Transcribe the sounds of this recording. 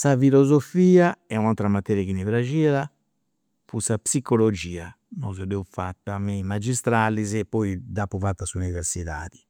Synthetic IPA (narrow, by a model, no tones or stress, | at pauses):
safilozofiːaɛunawt̪ɾamat̪ɛːɾjakinivɾad͡ʒiːɾa | pʰusapsikolod͡ʒiːa | nɔzɔd̪ɛufat̪ːamimad͡ʒist̪ɾalːizɛpːɔid̪apuvat̪ːasuniveɾsiða̰ːði̥